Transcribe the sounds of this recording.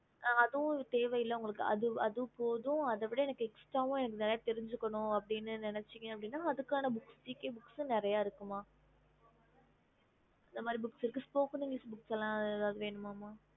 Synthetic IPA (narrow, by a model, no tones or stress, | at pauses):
ʔɐðʊ̃t̪eːʋɐjɪlːɐʊŋɡɐɭɯkːɯʔɐ̰ðɯɐðɯpoːðʊ̃ɐðɐʋɪɽɐɛnɐkːɛksʈɾaːʋʊ̃ɛnɐk̬ːɯnɪɾɐjaːt̪ɛɾɪɲd͡ʒɯkːɐɳʊ̃ɐpːɐɽɪnːɯnɪnɛt͡ʃːɯŋɡɐ̃ɐpːɐɽɪnːaːɐðɯkːaːnɐbʊksʈiːkeːbʊksʊ̃nɪɾɐjaːɪɾɯkːɯmaː | ɐnd̪ɐmaːd̪ɾibʊksɪɾɯkːɯspoːkɯnɪŋɡlɪsbʊksɛlːãːɐɛðaːðɯʋeːɳɯmaːmaː